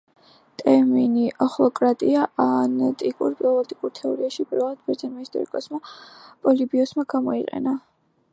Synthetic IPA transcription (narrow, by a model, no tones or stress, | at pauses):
t̪ʼɛɾminiʔɔχlˠɔkʼɾat̪ʼiaanat̪ʼikʼuɾpʼlɔlˠɔt̪ʼikʼuɾt̪ʰɛɔɾiaʃibɾalˠad̪̥bɛɾd̪zanmaist̪ʼɔ̰ɾḭkʼɔsmapʼɔlibiɔsmaɡamɔiqʼɛ̰na